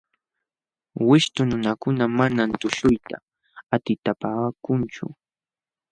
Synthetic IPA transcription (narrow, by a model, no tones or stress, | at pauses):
wɪʃt̪ʊnʊnakʊnamanant̪ʊʃʊjt̪a̰ | at̪ɪt̪apaːkʊnt͡ʃʊ̰